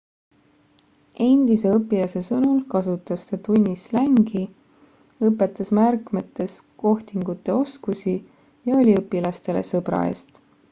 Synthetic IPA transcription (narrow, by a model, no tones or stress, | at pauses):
ʔe̞nʲd̪̥ise̞ɤpːˑilɑse̞sɤnulkɑsut̪ːˑɑst̪et̪unʲːislæŋɡ̥i | ɤpːˑe̞t̪ːˑɑsmærkmet̪ːˑe̞sko̞ht̪iŋɡut̪ːˑe̞o̞skusi | jɑo̞lʲiɤpːˑilɑst̪e̞le̞̰sɤbɾɑ̰e̞̰ːst̪